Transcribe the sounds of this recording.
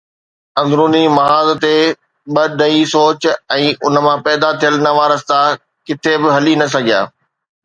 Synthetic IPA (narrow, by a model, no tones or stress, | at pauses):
ɐ̃nd̪ɾuːnimɐɦaːzt̪e | ɓɐd̪ʱɐisoːt͡ɕɛ̃ːʔʊnə̆mãpɛːd̪at̪ʰijəlnɐʋaːɾəst̪a | kɪt̪ʰebɪɦɐlinɐsɐɡʱija̰ː